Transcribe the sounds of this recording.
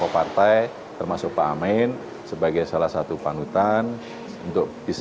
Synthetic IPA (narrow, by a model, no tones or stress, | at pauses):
opart̪aj | t̪ərmasʊk̚paːmɛn | səbaɡajsalahsat̪upanut̪an | unt̪ʊk̚b̥is